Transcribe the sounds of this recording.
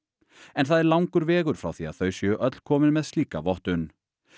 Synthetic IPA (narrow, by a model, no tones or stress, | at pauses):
ɛnθaðɛɾlawŋkʏɾvɛːɣʏɾ̥fɾa̰wθiaðθœɥsjœʔœt̪l̥kʰɔːmɪnmɛðst̪iːka̰vɔht̪ʏn